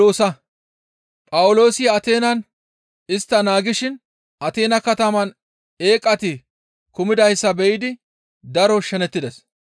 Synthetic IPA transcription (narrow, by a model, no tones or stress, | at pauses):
oːsɐ | pʼɐwʊlo̞ːsɪɐt̪e̞ːnɐn | ɪst̪ːɐnaːɡɪʃɪn | ɐt̪e̞ːnɐkɐt̪ɐmɐn | e̞ːkʼːɐt̪ɪ | kʊmɪd̪ɐjsːɐbɛʔɪd̪ɪ | d̪ɐɾɔʃɛnɛt̪ːɪd̪ɛs